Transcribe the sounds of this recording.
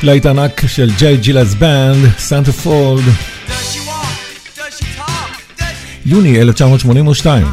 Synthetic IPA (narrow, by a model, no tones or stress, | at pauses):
lajt̪anakʃɛld͡ʒejd͡ʒilasbɛnd̪sãnt̪əfɔld̪ | juːniɛlɛft͡ʃamuʃmɔniːnuʃt̪aj̰m